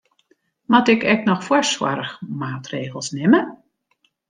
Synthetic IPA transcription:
mɔtɪkɛk̚nɔxfwɔswɔ̰ɾəxmaːtreːɣəlˠsnɪmə

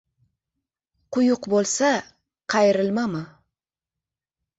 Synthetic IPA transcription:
qʰʊjʊqbolˠsa | qʰɑjɪɾɪlmamɪ

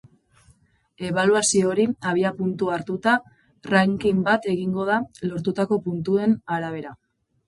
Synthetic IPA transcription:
e̞β̞aluasio̞ɾiaβ̞iapunt̪uaɾt̪ut̪a | raŋkimbat̪e̞ɣiŋɡo̞ð̞alo̞ɾt̪ut̪ako̞punt̪ue̞naɾaβ̞e̞ɾa

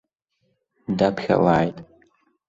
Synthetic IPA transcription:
dapxʲa̰laːjtʼ

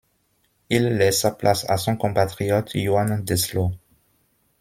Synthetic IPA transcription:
ilːɛsaplʔasa̰sɔ̃kɔ̃pat̪χijɔt̪juand̪ɛslo

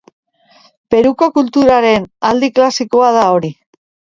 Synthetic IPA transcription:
pe̞ɾuko̞kult̪uɾaɾe̞nald̪iklasiko̞aðao̞ɾi

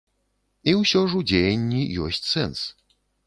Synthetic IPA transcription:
iwɕɔʐud͡ʑeɲʲːijɔ̰ɕʲt͡ɕʲsɛns

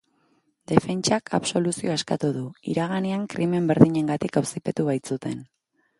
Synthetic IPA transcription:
d̪e̞fe̞nt͡ʃakʰa̰βso̞lusio̞eskat̪uðuḭɾaɣaneaŋkɾʔime̞mbe̞ɾðiɲe̞ŋɡat̪ikawsipe̞t̪uβ̞ajt͡sut̪e̞n

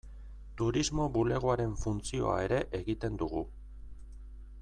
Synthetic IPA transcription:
t̪uɾizmo̞βule̞ɣ̞oaɾe̞ɱfunt͡sio̞̰a̰e̞ɾe̞ʔeɣit̪e̞nd̪uɣ̞u

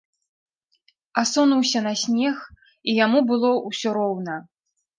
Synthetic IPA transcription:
asɔnuwsʲɐnasʲnʲɛx | ijamubɨlˠɔusʲɔɾɔwnɐ

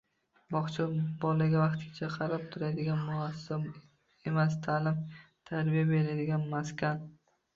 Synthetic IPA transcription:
bɒχt͡ʃʰabɒlaɡʲavɑqt̪ɪɡʲat͡ʃʰaqʰɑɾap̚t̪ʰʊɾad̪ɪɡʲanmʊasa | e̞mas̬t̪ʰalɪm | t̪ʰaɾbijabe̞ɾad̪ɪɡʲanmaskʲan

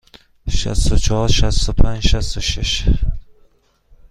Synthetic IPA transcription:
ʃa̰st̪ʊt͡ʃʰɔhɔɾʃast̪ʊpʰand͡ʒʃast̪ʊʃɪʃ

